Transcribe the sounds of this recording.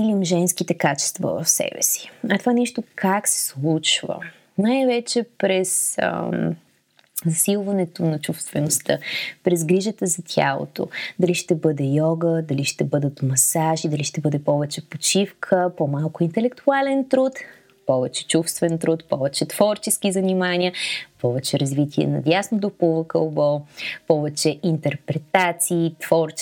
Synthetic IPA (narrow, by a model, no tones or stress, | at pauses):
ilimʒɛnskit̪ɛkat͡ʃɛ̥st̪vɐ̰vɐ̰fsɛ̰bɛ̰si̥ɐt̪ovanɛʃt̪okʰaksɛ̥slˠut͡ʃvə̰ | najvɛt͡ʃɛpɾɛsə̰ | zɐsilˠvɐnɛt̪onɐt͡ʃufst̪vɛnost̪əpɾɛzɡɾiʒət̪əzɐt̪ʲʰa̰lˠo̰t̪o̰d̪ɐliʃt̪ɛbɤd̪ɛjɔɡəd̪ɐliʃt̪ɛbɤd̪ət̪mɐsaʒid̪ɐliʃt̪ɛbɤd̪ɛpɔvɛt͡ʃɛpot͡ʃifkʰəpɔmalˠkʊint̪ɛlɛkt̪ualɛnt̪ɾut̪ | pɔvɛt͡ʃɛ̥t͡ʃufst̪vɛnt̪ɾut̪pɔvɛt͡ʃɛt̪v̥ɔɾt͡ʃɛsk̟izɐnimaniəpɔvɛt͡ʃɛɾɐzvit̪ʰʲiɛ̰nɐ̰d̪ʲjasnod̪opovəkəlˠbɔpɔvɛt͡ʃɛʔint̪ɛɾpɾɛt̪at̪siːt̪v̥ɔɾt͡ʃ